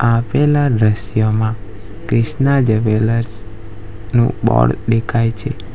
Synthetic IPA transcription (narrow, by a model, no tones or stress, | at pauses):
apelad̪ɾəʃjomã | kɾɪʃnad͡ʒəʋeləɾs | nṵ̃bɔ̰ɽd̪ekʰajt͡ʃʰe